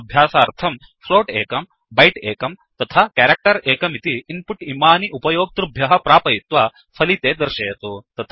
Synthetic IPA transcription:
bʱjaːsɐːɾt̪ʰɐm | fʰloːʈeːkɐm | bɐjʈeːkɐmt̪ɐt̪ʰaːkaːɾɐk̚ʈɐɾeːkɐmit̪iːmpuʈimaːniʔupɐjoːɡ̚t̪ɾubʱjɐɦɐpɾaːpɐjit̪ʋɐ | pʰɐlit̪eːd̪ɐɾʃɐjɐt̪ut̪ɐt̪ʰ

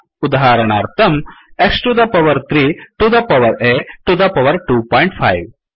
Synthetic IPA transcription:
ud̪aɦaːɾɐɳaːɾt̪ʰɐmeksʈud̪ɐpɐʋɐɾt̪ɾiːʈud̪ɐpɐʋɐɾeːʈud̪ɐpɐʋɐɾʈuːpɔːjɳʈpʰa̰jʋ

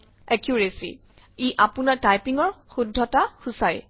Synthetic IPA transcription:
ɛkjuɹesḭ | iʔapunaɹtajpiŋɔɹxudʱːɔtaxusaj

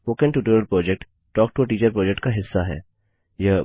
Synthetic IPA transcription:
poːkə̃ɳʈuːʈəɾəlpɾɔːd͡ʒɛk̚ʈːɔːk̚ʈoʈiːt͡ʃəɾpɾɔːd͡ʒɛkʈkaɦɪsːaɦɛ̰ː | jɐ

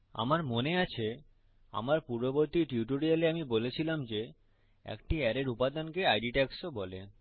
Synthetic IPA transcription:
a̰maɾmoneat͡ɕʰe | a̰maɾpuɾboboɾt̪iʈuʈ̬oɾialeamibolet͡ɕʰilamd͡ʑe | ɛ̰kʈiɛɾeɾupad̪ankeajɖiʈɛksobɔle

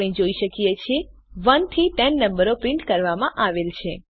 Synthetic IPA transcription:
ɽ̃ĩd͡ʒoiʃəkijet͡ʃʰe | ʋənt̪ʰiʈɛnːəmbəɾopɾɪɳʈkəɾʋamãʔaʋelt͡ʃʰe

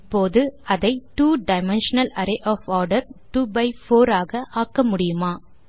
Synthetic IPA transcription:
poːðɯɐðɐɪʈuːɖɐɪmɛnʂɐnɐlɐɾɐʔɔːfɔːɾɖɐɾʈuːbɐɪfoːɾaːɣɐʔaːkːɐmʊɽɪjɯmaː

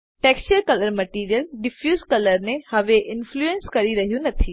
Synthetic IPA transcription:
ʈeːkst͡ʃəɾkɐləɾmɐʈiːɾijəlɖɪpʰjuːzkɐləɾnehɐʋeʔɪnfʰluẽnskɐɾiɾɐɦjũnɐt̪ʰi

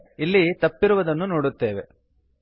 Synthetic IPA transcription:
ilːit̪ɐpːiɾuʋɐd̪ɐnːunoːɽut̪ːe̞ːʋe̞̰

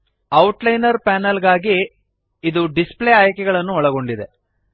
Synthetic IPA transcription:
ɐwʈlɐjnɐɾpaːnɐlɡaːɡiː | d̪uɖispleaːjkɛɡɐɭɐnːuɔɭɐɡo̞ɳɖid̪e

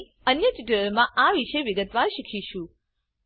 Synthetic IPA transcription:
ənjəʈiʈələɾmãʔaʋiʃeʋɪɡət̪ʋaɾʃikʰiʃũ

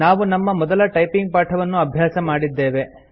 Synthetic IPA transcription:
aːʋunɐmːɐmɔd̪ɐlɐʈɐjpiŋɡ̚paːʈʰɐʋɐnːuɐbʱjaːsɐmaːɽid̪ːe̞ːʋe̞

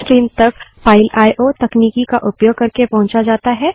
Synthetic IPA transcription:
kɾiːnt̪ɐk̚paːɪlaːjʔoːt̪ɐkniːkikaʔʊpjoːɡ̚kɐɾkepɐɦʊ̃nt͡ʃad͡ʒaːt̪aɦɛː

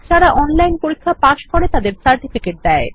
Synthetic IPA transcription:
t͡ɕʰaɾaʔɔnlajnpoɾikʰːapaʃkoɾet̪ad̪eɾsaɾʈifikeʈ̚d̪ɛe

